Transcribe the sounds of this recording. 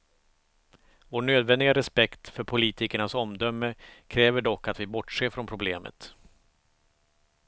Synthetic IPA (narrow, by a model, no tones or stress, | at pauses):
voːɳøːd̪vɛnd̪ɪɡaɾɛspɛkt̪fœɾpʰʊliːt̪ɪkəɳasɔmd̪œmːəkʰɾɛːvəɖɔkːat̪vɪbɔʈʂeːɾfɾɔnpʰɾʊbleːmə̰t̪